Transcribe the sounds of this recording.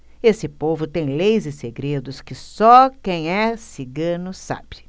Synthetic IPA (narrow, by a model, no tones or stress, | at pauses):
esɪpovʊt̪ẽj̃lejzɪseɡɾed̪ʊskɪsɔkẽj̃ɛsiɡɐ̃nʊsa̰bɪ